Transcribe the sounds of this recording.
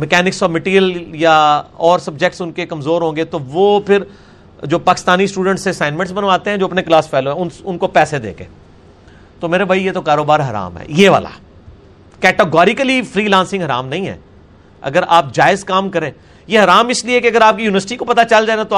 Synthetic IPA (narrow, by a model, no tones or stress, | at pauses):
mɛkɛːnɪksɔːmɪʈiːjəljaɔːɾsɐb̚d͡ʒɛk̚ʈsʊnkekɐmzoːɾɦõːŋɡet̪oʋoːpʰɪɾ | d͡ʒoːpaːkɪst̪aːnisʈuːɖə̃ɳʈsesãːɪnmɛ̃ɳʈsbɐnʋaːt̪eɦɛ̃d͡ʒoːɐpneklaːsfʰɛːloɦɛ̃ʊnʊnkopɛːsed̪ḛːkḛ̃ː | t̪omeːɾebʱaːijet̪okaːɾoːbaːɾɦɐɾa̰ːmɦɛ̰ːjeːʋa̰ːla̰ | kɛːʈeɡɔːɾɪkəlifʰɾiːlãːnsɪ̃ŋɡɦɐɾa̰ːmnɐɦĩːɦɛ̰ː | ɐ̰ɡəɾaːp̚d͡ʒaːɪzkaːmkɐɾẽː | jeɦɐɾaːmɪsliekeɐɡəɾaːp̚kijuːɪʋəɾsɪʈikopɐt̪at͡ʃɐld͡ʒaːenat̪o